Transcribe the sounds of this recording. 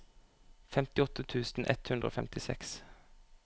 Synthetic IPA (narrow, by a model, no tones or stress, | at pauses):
fɛmt̪ɪɔt̪ət̪ʰʉːsn̩ʔɛt̪hʉnd̪ɾəo̰ːfɛmt̪ɪsɛ̰ks